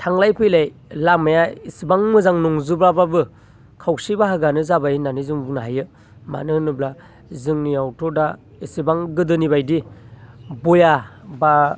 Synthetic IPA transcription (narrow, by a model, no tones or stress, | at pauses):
tʰaŋlajpʰɯjlajlamajaisibaŋmɯzaŋnuŋzɯbɾababɯ | kʰawsibaɦaɡanɯzabajinanizuŋbunaɦajɯ | ma̰nɯnɯbla | zɯŋniawtʰɔda | isibaŋɡɯdɯnibajdi | bojaba